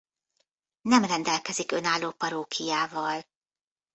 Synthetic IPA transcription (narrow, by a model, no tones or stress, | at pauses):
nɛmrɛnd̪ɛlkɛzikø̞naːlːoːpɒɾoːkʰijaːvɒl